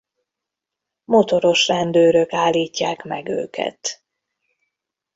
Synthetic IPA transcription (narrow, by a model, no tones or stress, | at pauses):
mot̪o̞ɾo̞ʃrɛnd̪øːɾøkaːlːiːcːaːkmɛɡø̰ːkʰɛ̰t̪